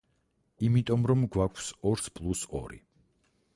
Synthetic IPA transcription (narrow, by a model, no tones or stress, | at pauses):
imit̪ʼɔmɾɔmɡwakʷʰsɔɾspʼlˠusɔ̰ɾḭ